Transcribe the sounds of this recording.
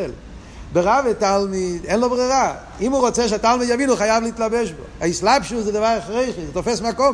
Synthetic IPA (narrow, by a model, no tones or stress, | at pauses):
l | beʁavɛtalˠmidɛnlˠobʁiʁa | imuʁot͡sɛʃ̬atalˠmidjavinuχajavliːtlabɛʃbo̰aislˠapʃusdɪdvaχʁeɪχitɔfɛsmakɔm